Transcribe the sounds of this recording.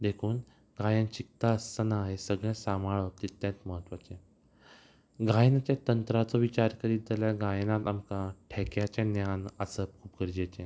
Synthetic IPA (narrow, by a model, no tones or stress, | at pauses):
d̪ekʰuːn | ɡʱajə̃nt͡ɕik̚t̪aəstənaɦesəɡɭjẽsamaɭət̪it̪ːjãt͡sməɦət̪ʋat͡ɕẽ | ɡʱajnat͡ɕjat̪ənt̪ɾat͡sɔʋit͡ɕaɾkəɾid͡zəljaɡajnat̪amkaʈʰɛkjat͡ɕẽnjanəsəp̚kʰuːp̚ɡəɾd͡ʑet͡ɕẽ